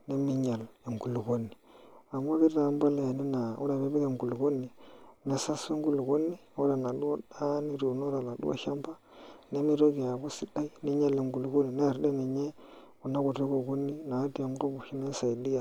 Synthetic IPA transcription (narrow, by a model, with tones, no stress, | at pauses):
ne˦mi˦ɲa˨le˨ŋɡu˨lu˨ko˦nːi˨a˨m˦a˦ki˦a˨˦mba˦la˦a˨ni˦na˨u˦ɾa˨be˦be˦ɡe˨ŋɡu˨lu˨ɡo˦nːi˨na˨sa˦se˦ŋ˦ɡu˦lu˨ko˦nːi˦o˦ɾa˨na˨du˦wo˦da˦ni˦ɾu˨no˦ɾa˨la˨dṵ˦a̰˦ʃa˦mpa˦ | ne˦mi˦ɾo˦ɡi˨ja˨ku˦si˦da˦i˦ni˦ɲa˦˨le˨ŋɡu˨lu˨ɡo˦nːi˨na˦a˨ɾde˦ni˨ɲe˦ | ku˨na˦ku˨te˦ko˨ku˦nːi˦na˨˦di˦a˨m˦ko˦bu˨ʃi˦na˦sa˨i˨di˦ja˨